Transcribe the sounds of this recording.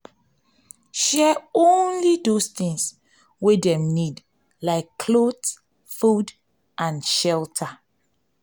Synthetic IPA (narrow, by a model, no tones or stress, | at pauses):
ʃɛõnlidost̪ĩŋs | wedɛ̃mnid | laɪkːʰlots | fud | ʔãnʃɛltʰa